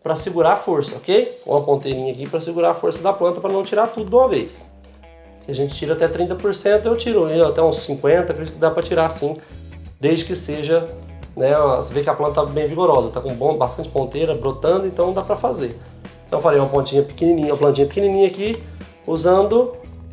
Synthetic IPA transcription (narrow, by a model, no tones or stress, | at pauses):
pɾɐsɪɡuɾafoɾsɐokejkṵ̃mɐpõnt̪eɾĩɲɐak̬ipɾɐsɪɡuɾaɾafoɾsɐd̪ɐplɐ̃nt̪ɐpɾɐnɐ̃w̃t͡ʃiɾat̪ud̪ʊũmɐvejs | sɪaʒẽnt͡ʃɪ̥t͡ʃiɾɐat̪ɛt̪ɾĩnt̪ɐpoɾsẽnt̪ʊewt͡ʃiɾʊeat̪ɛũsːĩkwẽnt̪ɐkɾed͡ʒikʊd̪apɾɐt͡ʃiɾasĩd̪ejzd͡ʒɪkɪseʒɐ | nɛsɪvekɪɐplɐ̃t̪ɐt̪abẽj̃viɡoɾɔzɐt̪akõbõbast̪ɐ̃nt͡ʃɪpõnt̪eɾɐbɾot̪ɐ̃nd̪ʊẽnt̪ɐ̃w̃d̪apɾɐfazẽ | t̪ɐ̃w̃falejũmɐpõnt͡ʃĩɲɐpɪ̥kininĩɲɐũmɐplɐ̃nt͡ʃĩɲɐpɪ̥kenĩnĩɲɐaki | uzɐ̃nd̪ʊ